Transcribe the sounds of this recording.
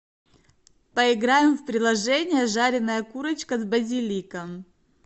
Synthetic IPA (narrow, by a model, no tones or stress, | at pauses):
pəɪɡɾajɪmfpɾʲɪlˠɐʐɛnʲɪjəʐaɾʲɪnəjəkuɾət͡ɕkəzbəzʲɪlʲikəm